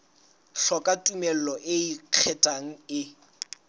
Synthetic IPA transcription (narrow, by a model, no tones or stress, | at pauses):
ɬɔkʼatʼumɛl̩lɔʔɪiq͡χʰɛtʼaŋ̩ɪ